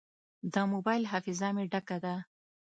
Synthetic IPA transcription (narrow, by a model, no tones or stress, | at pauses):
d̪əmobɑjlɦafɪzɑmeɖakad̪a